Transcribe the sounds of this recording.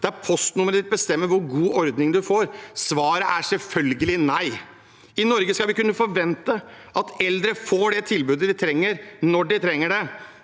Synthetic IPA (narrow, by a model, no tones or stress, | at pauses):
d̪̥ɛæɾpʰɔst̪nʊməɾəd̪ɪt̪̚bəst̪ɛmːəɾʋʊɾɡuːʔɔɾd̪nɪŋd̪ʉfoːɾsʋɑːɾəʔæʂɛlfœlɡəlɪnæɪ | ɪnɔɾɡəskɑlʋɪkʉnːəfɔɾʋɛnt̪ə | ʔɑt̪ɛld̪ɾəfoːɖɛt̪ʰɪlbʉːd̪əd̪ɪt̪ʰɾɛŋːəɾnɔɖɪt̪ʰɾɛŋːəɖɛ